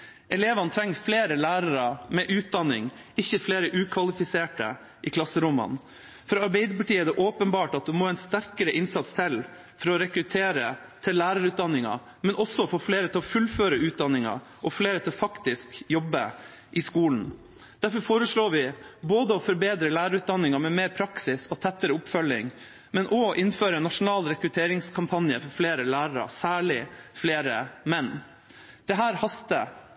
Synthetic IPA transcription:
ʔɛleːʋɑnət̪ʰɾɛŋːfleːɾəlæːɾɑɾɑmɛʔʉːt̪̚d̪ɑnːɪŋ | ɪçːəfleːɾəʔʉːkʰʋɑlɪfɪseːʈə̰ | ʔɪkʰlɑsːəɾʊmːɑ̰n | fɾɑɑɾbeɪd̪əpɑʈiːæɖɛʔoːpənbɑːʈɑt̪̚d̪ʉmoːɛɪnst̪æɾkəɾəʔɪnsɑt̪st̪ʰɪl | fɔɾɔɾɛkɾʉt̪ʰeːɾə | t̪ʰɪlːæːɾɑɾʉːt̪d̪ɑnːɪŋɑ̰ | mɛnʔɔsɔɔfoːfleːɾət̪ʰɪlɔfʉlføːɾəʉːt̪̚d̪ɑnːɪŋɑ̰ | ʔɔfleːɾət̪ʰɪlɔfɑkt̪ɪskjɔbːə | ʔɪskuːln̩ | d̪̥æɾfɔɾfoːɾəʂɭoːɾʋɪboːd̪əɔfɔɾbeːd̪ɾəlæːɾɑɾʉːt̪̚d̪ɑnːɪŋɑmɛmeːɾpʰɾɑksɪsɔt̪ʰæt̪ːəɾəʊpfœlːɪŋ | mɛnʔɔʔɪnføːɾəɛnɑʂʊnɑːlɾɛkɾʉt̪ʰeːɾɪŋskʰɑmpʰɑnjəfɔɾfleːɾəlæːɾəɾɑ̰sæːɭɪfleːɾəmɛnː | d̪̥ɛɦæːɾhɑst̪ə

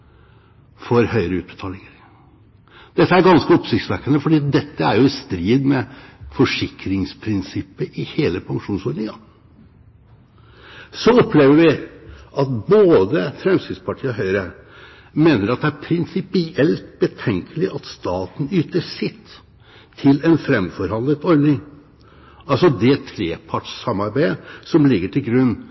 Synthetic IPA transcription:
fɔɾhœʏəɾəʉːt̪̚bət̪ʰɑːlɪŋəɾ | d̪̥ɛt̪ːəæɾɡɑnskəɔpsɪkt̪sʋækənəfɔɖiːɑt̪̚d̪ɛt̪ːəæɾjʊst̪ɾiːd̪mɛfɔʂɪkɾɪŋspʰɾɪnsɪpːəʔɪheːləpʰɑŋʂuːnsɔːɾnɪŋɑ | sɔɔpʰːleːʋəɾʋɪʔɑt̪boːd̪əfɾɛmsɪd̪spʰɑʈʰiːəɦœʏɾə | meːnəɾɑt̪̚d̪ɛæɾpʰɾɪnsɪpɪʔɛlt̪̚bət̪ʰɛŋkʰəlɪʔɑt̪st̪ɑːt̪n̩yːt̪əʂɪt̪ʰː | ɪlɛnfɾɛmfɔɾhɑnlət̪ɔɾd̪nɪŋ | ɑlsɔd̪ɛt̪ʰɾeːpʰɑʈʂsɑmɑɾbæɪsɔmlɪɡːəʈʰɪlɡɾʉnː

